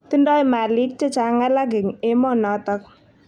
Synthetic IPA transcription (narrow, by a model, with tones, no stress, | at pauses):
t̪i˦ndɔː˦jma˨li˦k̚t͡ʃe˦t͡ʃa˨ŋalaɡ̬ɪ˨ŋemɔ˦nɔ˨t̪ɔk̚